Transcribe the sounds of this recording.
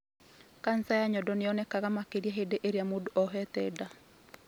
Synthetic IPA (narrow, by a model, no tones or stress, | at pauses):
kansajaɲɔdɔneɔnɛkaɣamakeɾiaɦedeʔeɾeamodoʔɔɦɛtɛda